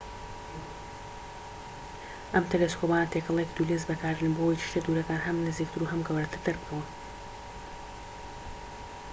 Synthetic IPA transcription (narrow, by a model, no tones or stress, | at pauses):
ʔɐmt̪ʰeleskopaːnɐt̪ʰekɐlˠekd̪ulezbɐkaːɾɨnbowojt͡ʃʰi̥ʃt̪ed̪uɾɐkaːnɦɐmnɨzik̚t̪ɨɾuɦɐmɡɐwɾɐt̪ɨd̪ɨɾbɨkʰɐwɐ